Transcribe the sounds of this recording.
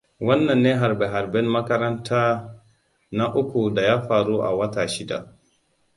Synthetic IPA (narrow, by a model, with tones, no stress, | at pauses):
wɐ˦nːɐ˨nːeː˦ɦa˨ɾbɛ˨ɦa˨ɾbɛ˦mmɐ˦kɐ˦ɾɐ˦ntʰaː˦ | na˦ʔʊ˦kʷu˨da˨jaː˦ɸaː˨ɾu˦ʔa̰˨wɐ˦taː˨ʃɪ˦da̰˨ʔ